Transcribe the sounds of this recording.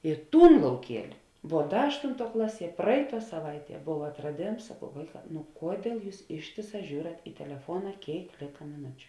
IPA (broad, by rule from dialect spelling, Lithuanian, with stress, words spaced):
ɪ ˈtuːn lˠɐʊˈkʲiɛlʲɪ ʋuɔ ˈdɐ ˈɑːʃtʊnˌtuɔ ˈklˠɑːˌsʲiɛ ˈprɐɪˌtuɔ sɐˈʋɐɪˌtʲiɛ ˈboːw ɐtrɐˈdʲeːms sɐˈkɐʊ ˈʋɐɪˌkɑː nʊ ˈkuɔdʲiɛlˠ ˈjuːs ˈɪʃʲtʲeːˌsɑː ˈʒʲuːrɐt ɪ tʲɛlʲɛˈfuɔnɐ ˈkʲeːɪk ˈlʲeːkɐ mʲɪˈnʊt͡ʃʲʊ